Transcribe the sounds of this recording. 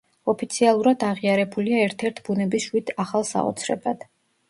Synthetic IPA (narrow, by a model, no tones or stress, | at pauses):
ɔpʰit̪sʰialˠuɾad̪̥aʁiaɾɛbuliaɛɾt̪ʰɛɾt̪ʰbunɛbisʃwid̪ʰaχalˠsa̰ɔ̰t̪sʰɾɛ̰bad̪̥